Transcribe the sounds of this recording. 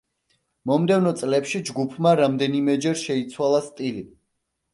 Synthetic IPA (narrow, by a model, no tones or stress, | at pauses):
mɔmd̪ɛvnɔt̪sʼlɛpʃid͡ʒɡupʰmaɾamd̪ɛnimɛd͡ʒɛɾʃɛit̪sʰwalˠast̪ʼili